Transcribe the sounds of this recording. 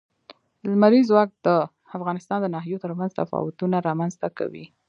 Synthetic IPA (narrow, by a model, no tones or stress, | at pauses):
lmaɾizwɑk̚d̪ə | afɣɑnɪst̪ɑnd̪ənaɦijot̪əɾmanzt̪afɑ̰wʊt̪unaɾɑmanzt̪aka̰wḭ